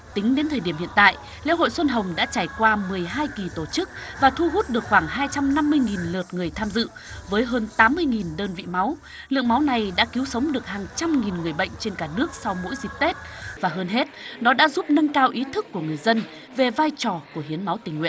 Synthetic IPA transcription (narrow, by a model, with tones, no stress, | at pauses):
t̪ï˨˦ŋ̟ɗe˨˦nt̪ʰəː˨˩jɗi˧˩əmhḭ˧˨ənt̪a̰ː˧˨jʔ | lḛ˧˥wɦo̰˧˨jswə˧nɦə˨˩wŋ͡mɗa̰ː˧˥t͡ɕaː˧˩jkwaː˧mɨ˨˩əjɦaː˧jki˨˩t̪o˧˩t͡ɕɨ˦˥k̚vaː˨˩t̪ʰu˧ɦu˦˥t̚ɗɨ˨˩ək̚xwaː˧˩ŋɦaː˧jt͡ɕa˧mna˧mːɨ˧əjŋi˨˩nləː˨˩t̚ŋɨ˨˩əjt̪ʰaː˧mzɨ̰˧˨ | vəː˨˦jɦəː˧nt̪aː˨˦mːɨ˧əjŋi˨˩nɗəː˧nvḭ˧˨ma˨˦w | lɨ̰˧əŋma˨˦wna˨˩jɗa̰ː˧˥ki˨˦wsə˨˦wŋ͡mɗɨ˨˩ək̚haː˨˩ŋt͡ɕa˧mŋi˨˩nŋɨ˨˩əjɓə̰˧˨jŋ̟t͡ɕe˧nkaː˧˩nɨ˦˥ək̚sa˧wmo̰˧˥jzi˨˩k̚t̪e˦˥t̚vaː˨˩ɦəː˧nɦe˦˥t̚ɗɔ˨˦ɗa̰ː˧˥zu˦˥p̚nə˧nkaː˧wʔi˨˦t̪ʰɨ˦˥kːu˧˩əŋɨ˨˩əjzə˧n | ve˨˩vaː˧jt͡ɕɔ˨˩ku˧˩əɦi˨˦ənma˨˦wt̪ï˨˩ŋ̟ːwḭ˧˨n